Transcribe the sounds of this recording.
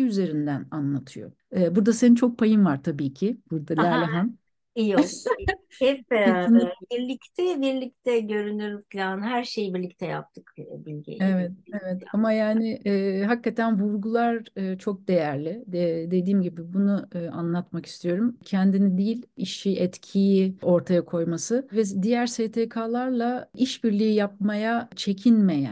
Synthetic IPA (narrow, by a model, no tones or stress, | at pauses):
iyze̞ɾind̪æna̰nlˠat̪ʰɯjo̰ | ɛːbuɾd̪asenint͡ʃʰo̞k̚pʰajɯmvaɾt̪ʰabiːcʰɪbuɾd̪alʲælʲaɦam | ijo | hɛpinbiɾlʲict̪ʰɛbiɾlʲic̚t̪ʰɛɟø̞ɾynyɾykʰlʲanɦæɾʃe̞jbiɾlʲic̚t̪ʰɛja̰p̚t̪ʰɯkːbilʲɟḛevɛt̪̚evɛt̪ʰamajaːnɪʔːɦakːat̪ʰænvuɾɡulˠaɾɯt͡ʃʰo̞k̚d̪e̞jæɾlʲɪd̪e̞d̪iːmɟibɪbunuɯa̰nlˠat̪maki̥st̪ʰijo̞ɾumcʰɛnd̪inid̪iːlʲiʃiʔɛt̪cʰijio̞ɾt̪ʰajakʰo̞jmasɯvɛd̪ijæɾseːt̪ʰeːkʰaːlˠaɾlˠaiʃbiɾlʲijijap̚majat͡ʃʰe̞cʰinmejæ̰n